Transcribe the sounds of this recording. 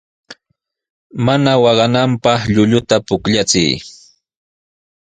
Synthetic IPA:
manawɑɢɑnampɑχʎʊʎʊt̪apʊkʎat͡sɪ̰j

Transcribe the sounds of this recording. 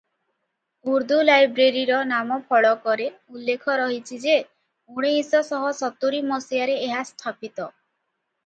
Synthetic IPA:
uɾd̪ulajbɾeɾiɾɔnamɔpʰɔɭɔkɔɾeulːekʰɔɾɔɦit͡ʃʰid͡ʒe | uɽ̃eisɔsɔɦɔsɔt̪uɾimɔsijaɾeːɦast̪ʰapit̪ɔ

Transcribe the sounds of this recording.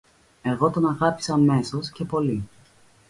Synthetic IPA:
e̞ɣo̞t̪o̞nɐɣɐpi̥sɐːme̞so̞sce̞po̞li

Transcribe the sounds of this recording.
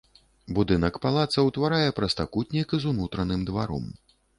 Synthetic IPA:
bud̪ɨnɐkpalˠat̪sɐwt̪vaɾajɛpɾɐst̪akut̪ʲnʲikɨzunut̪ɾɐnɨmd̪vaɾɔ̰m

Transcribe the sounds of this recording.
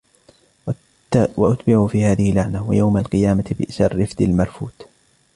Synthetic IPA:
waʔʊt̪bɪʕuːfiːhaːðɪhɪlːaʕnawa̰jawmalqɨjaːmat̪bɪ̰ʔʃɑrːɪfd̪ɪlmɑɾˤfuːt̪

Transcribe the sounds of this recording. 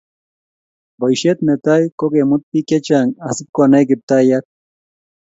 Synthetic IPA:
bojʃet̪met̪ajkokemut̪̚piket͡ʃaŋasip̚konajkɪp̚t̪ajak̪̚

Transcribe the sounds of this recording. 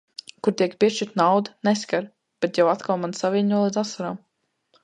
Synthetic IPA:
kuɾt̪iɛkpʲiɛʃt͡ʃiɾt̪nawd̪neskaɾ | b̥ɛt̪jawat̪kʰalmansavʲiɲʲnuɔlˠid̪asːaɾam

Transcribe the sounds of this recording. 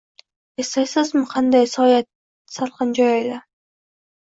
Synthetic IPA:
est̪ajsɪzmɪqʰɑnd̪ɑjsɒːjat̪̚ | sɑlˠqɑnd͡ʒɒjɑjd̪ɪ

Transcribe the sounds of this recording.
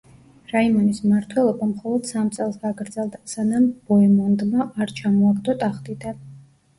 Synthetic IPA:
ɾaimɔnismaɾt̪ʰwɛlˠɔbamχɔlˠɔd̪̥samt̪sʼɛlˠsɡaɡɾd̪zɛlˠd̪asanamb̥ɔɛmɔnd̪maʔːɾt͡ʃʰamɔakd̪ʼɔt̪ʼaχt̪ʼid̪an

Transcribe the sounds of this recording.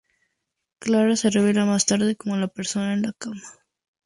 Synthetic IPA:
klaɾase̞reβ̞elamast̪aɾðe̞ko̞molape̞ɾso̞naenlakamḁ

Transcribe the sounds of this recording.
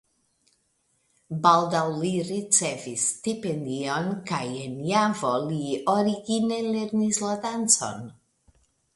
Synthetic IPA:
bald̪awliɾit͡sevist̪ipend̪ionkajenjavolioɾiɡineleɾnislad̪ant͡so̰n

